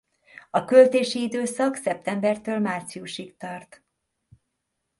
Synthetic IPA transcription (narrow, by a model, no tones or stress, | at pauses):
ɒkølt̪eːʃiid̪øːsɒksɛp̚t̪ɛmbɛrt̪øːlmaːrt̪siuʃikt̪ɒrt̪